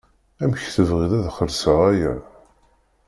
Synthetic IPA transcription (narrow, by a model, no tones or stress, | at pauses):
æmçθəvʁiðæðχəɾsəʁæjæ